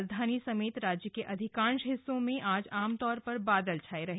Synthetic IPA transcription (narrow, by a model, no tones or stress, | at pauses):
zd̪ʱaːnisɐmeːt̪ɾaːd͡ʒjəkeʔɐd̪ʱɪkãːnʃɦɪsːõmẽʔaːd͡ʒaːmt̪ɔːɾpɐɾbaːd̪əlt͡ʃʰaːeɾɐɦ